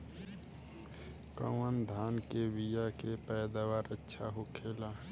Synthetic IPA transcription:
kə̰wənd̪ʱaːnkeʋijakepɛːd̪aːwaːɾətːʃʰaɦokʰeːla

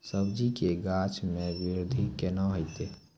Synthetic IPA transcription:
səbd͡ʒikeɡaːt͡ʃʰmẽʋɪɾʊd̪ʱikenaɦojt̪e

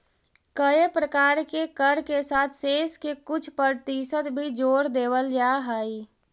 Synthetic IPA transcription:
kəepɾəkaːɾkekəɾkesaːt̪ʰseːskekʊt͡ʃʰpəɾt̪isət̪bʱid͡ʒoːɾd̪eːwəld͡ʒaɦəi

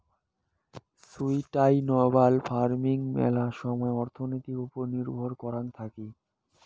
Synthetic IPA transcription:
sujʈajnɔbalfaɾmiŋmɛ̰laʃɔmɔeɔɾt̪ʰonojt̪ikupoɾniɾbʱoɾkɔɾant̪ʰaki

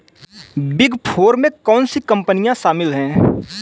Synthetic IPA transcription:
bɪɡpʰoːɾmẽkɔːnsikə̃mpənijãʃaːmɪlɦɛ̃ː

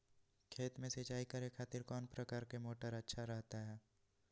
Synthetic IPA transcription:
kʰeːt̪mẽset͡ʃaːikɐɾekʰaːt̪ɪɾkɔːnpɾɐkaːɾkemoːʈəɾɐtːʃʰaɾɐɦt̪aɦɛː

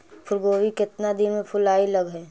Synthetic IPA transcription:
pʰʊlɡoːwikɪt̪nad̪inmẽpʰʊlaːilɐɡɦɛː

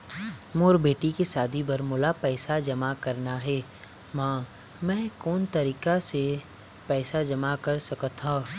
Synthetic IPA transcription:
moːɾbeːʈikesaːd̪ʱibɐɾmʊːlapɛːsad͡ʒɐmakɐɾnaɦɛː | mãː | mɛ̃ːkoːnt̪ɐɾiːkase | pɛːsad͡ʒɐmakɐɾsɐkət̪ʰːãː

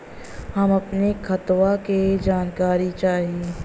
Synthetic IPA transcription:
hɐmɐpnekʰɐt̪waked͡ʒaːnkaːɾit͡ʃaːɦieː

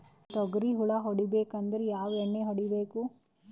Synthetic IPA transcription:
t̪ɔɡɾiɦuɭɐɦoɽibeːkɐnd̪ɐɾejaːʋeɳːeɦoɽibeːku

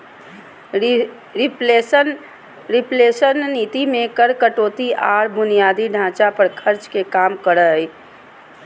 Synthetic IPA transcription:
ɾɪp | ɾɪpleːʃənːiːt̪imẽkəɾkəʈoːt̪iʔaːɽbʊnijaːd̪iɖʱãːt͡ʃapəɾkʰəɾt͡ʃkekaːmkəɾəi

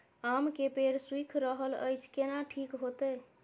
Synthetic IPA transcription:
amkepeɾswikʰɾəɦələ̰jt͡ʃʰkenaʈʰikɦot̪ɛ

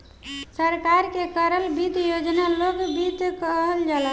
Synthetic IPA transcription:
səɾkaɾkekəɾəlbit̪jod͡ʒnaloɡbit̪kəɦəld͡ʒalə

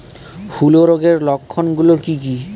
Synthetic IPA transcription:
huloɾoɡeɾlokʰːonɡulokiki

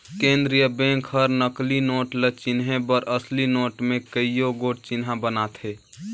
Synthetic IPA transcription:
kẽːnd̪ɾijəbẽŋkhəɾnəklinoːʈlət͡ʃɪnɦẽbəɾəslinoːʈmẽkəijoɡoːʈ̚t͡ʃɪnɦãbənat̪ʰɦe

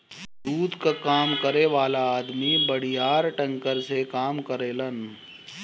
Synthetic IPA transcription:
d̪uːd̪kakaːmkəɾeʋaːlaaːd̪mibəɽijaːɾʈɐ̃ŋkəɾsekaːmkəɾeːlən

